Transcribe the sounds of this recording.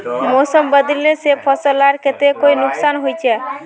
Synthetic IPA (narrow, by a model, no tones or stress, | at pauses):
mosəmbəd̪lesepʰəsəlaɾket̪ekoinʊksanɦojt͡ʃʰɛ